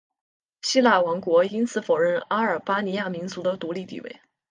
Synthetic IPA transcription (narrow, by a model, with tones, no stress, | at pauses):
ɕi˥la˥˩ɪwɑ˧˥ŋkwɔ˧˥i˥nt͡sʰɹ̩˥˩fo˨˩ʊɻə˥˩na˥ə˞˨˩pa˥ni˧˥ja˥˩mi˧˥ŋt͡su˧˥d̪ə˧t̪u˧˥li˥˩t̪ḭ˥˩wḛ˥˩ɪ